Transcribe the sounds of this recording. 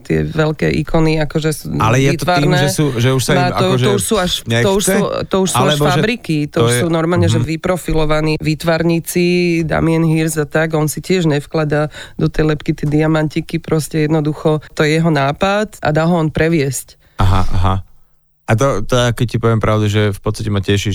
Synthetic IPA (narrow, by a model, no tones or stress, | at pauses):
t̪ɪɛ̰ʋɛlkɛːʔḭkʰɔniakɔʒɛsualɛjɛiːt̪ɔʋaɾnɛɛsuʒɛuʃsaaɔɔuʃsuːaʃɲɛt̪ɔuʃut̪ɔuʃsaualɛfbɾikit̪ɔʃsuːnɔɾmaːlɲɛʒɛʋipɾɔfilɔʋaniːʋiːt̪ʋaɾɲit͡sid̪a̰miɛnɦiɾzat̪aɡɔnsicɪɛʒɲɛfklad̪ad̪ɔt̪ɛjlɛpkit̪ɛd̪iamant̪ikipɾɔscɛjɛd̪nɔd̪uxɔt̪ɔjɛjɛɦɔnaːpat̪a̰d̪aːɦɔɔnpɾɛʋɪɛsc | aɦa̰ʔa̰ɦa | ʔat̪̬ɔt̪ɔjakɛccipɔʋɛmpɾaʊd̪uʒɛfpɔt͡sst̪ḁcɛmacɛʃi